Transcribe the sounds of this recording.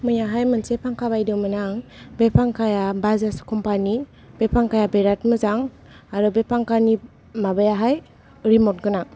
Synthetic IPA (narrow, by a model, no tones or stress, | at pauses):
mɯjaɦajmɯnsepʰaŋkʰaβajdɯmɯnaŋbepʰaŋkʰajabazaskʰɔmpani | bepʰaŋkajabeɾatmɯzaŋ | aɾɯbepʰaŋkani | mabajaɦaj | ɾimɔt̚ɡɯna